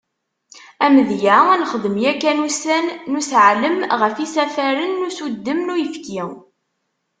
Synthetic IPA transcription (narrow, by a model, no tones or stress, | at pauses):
æməðjæænχəðˤəmjækːænusænːusʕləmʁəfisæfæɾənːusud̪ːəmnujəfki